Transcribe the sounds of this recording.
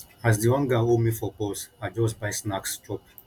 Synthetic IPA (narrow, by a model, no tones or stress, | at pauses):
azdiɔ̃nɡaomifɔpɔsad͡ʒɔsbajsnakstɔp